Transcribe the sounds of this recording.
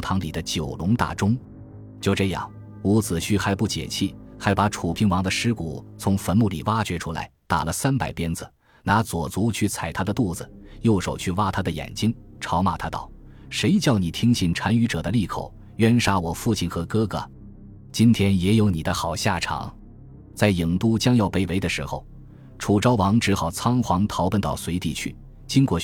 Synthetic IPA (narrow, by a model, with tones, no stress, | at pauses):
t̪ʰɑ˧˥ŋli˨˩d̪ə˦t͡ɕjo˨˩ʊlʊ˧˥ŋt̪a̰˨˩ʈ͡ʂʊ˥ŋ | t͡ɕjo˥˧ʊʈ͡ʂɤ˥˧jɑ̰˥˩ŋ | u˧˥t͡sɹ̩˨˩ɕʰy˥xa˧˥ɪpu˥˩t͡ɕjɛ̰˨˩t͡ɕʰi˥˩xa˧˥ɪpa˧˥ʈ͡ʂʰu˨˩pʰi˥ŋwɑ˧˥ŋd̪ə˧ʂɻ̩˥kṵ˨˩t͡sʰʊ˧˥ŋfə˧˥nmu˥˩li˨˩wa˥t͡ɕɥɛ˧˥ʈ͡ʂʰu˥la̰˧˥ɪt̪a̰˨˩lə˦sa˥npa˨˩ɪpjɛ˥nd͡zɹ̩˩ | na˧˥t͡swɔ˨˩t͡su˧˥t͡ɕʰy˥˩t͡sʰa˨˩ɪt̪ʰa˥d̪ə˨t̪u˥˩d͡zɹ̩˩jo˥˩ʊʂo˨˩ʊt͡ɕʰy˥˧wa˥t̪ʰa˥d̪ə˨jɛ̰˨˩nt͡ɕi˥ŋʈ͡ʂʰɑ˧˥ʊma˨˩t̪ʰa˥t̪ɑ̰˥˩ʊ | ʂe˧˥ɪt͡ɕjɑ˥˩ʊni˨˩t̪ʰi˥ŋɕi˥˩nʈ͡ʂʰa˧˥ny˧˥ʈ͡ʂɤ˨˩d̪ə˦li˥˩kʰo̰˨˩˦ʊ | ɥɛ˥nʂa˥wɔ˨˩fu˥˧t͡ɕʰi˥˩nxɤ˧˥kɤ˥ɡə̰˨˩ | t͡ɕi˥nt̪ʰjɛ˥njɛ˧˥jo˧˥ʊni˨˩d̪ə˦xɑ˨˩ʊɕja˥˩ʈ͡ʂʰɑ̰˨˩˦ŋ | t͡sa˥˩ɪi˨˩ŋt̪u˥t͡ɕjɑ˥ŋjɑ˥˩ʊpe˧˥ɪwe˧˥ɪd̪ə˨˧ʂɻ̩˧˥xo̰˧ʊ | ʈ͡ʂʰu˨˩ʈ͡ʂɑ˥ʊwɑ˧˥ŋʈ͡ʂɻ̩˧˥xɑ˨˩ʊt͡sʰɑ˥ŋxwɑ˧˥ŋt̪ʰɑ˧˥ʊpə˧nt̪ɑ˥˩ʊswe˧˥ɪt̪i˥˩t͡ɕʰy̰˥˩ | t͡ɕi˥ŋkwɔ˥˩